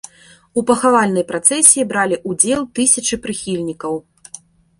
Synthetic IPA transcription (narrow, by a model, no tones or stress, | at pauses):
upɐxavalʲnɐjpɾat̪sɛsʲijibɾalʲiʔud͡zʲɛlˠt̪ɨsʲɐt͡ʂɨpɾɨxʲilʲnʲikɐw